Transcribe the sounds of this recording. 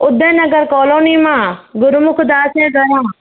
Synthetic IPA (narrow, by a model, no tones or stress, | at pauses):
ʊd̪ẽːnəɡəɾkɔːloːniːmãːɡʊɾmʊkʰd̪aːseːɡɐɾãː